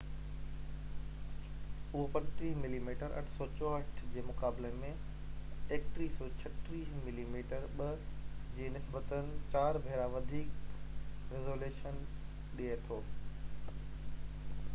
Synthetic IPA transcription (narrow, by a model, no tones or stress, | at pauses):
ʊɦopɐnʈ̪ɾiːmɪliːmiːʈəɾʔɐ̰ʈʰsɔt͡ɕɔːəʈʰd͡ʑeːmʊkaːblemẽ | eːkʈɾiːsɔːt͡ɕʰɐʈɾiːsmɪliːmiːʈəɾɓɐd͡ʑeːnɪsbət̪ənɪ̆t͡ɕaːɾbʱeːɾaʋɐd̪ʱiːk | ɾezoːleːʃən | ɗiet̪ʰoː